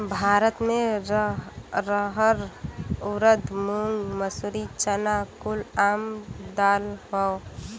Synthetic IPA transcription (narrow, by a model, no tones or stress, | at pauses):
bʱaːɾət̪me | ɾəɦəɾuɾəd̪ʱmuŋɡməsuɾit͡ʃənakulamd̪alɦɔ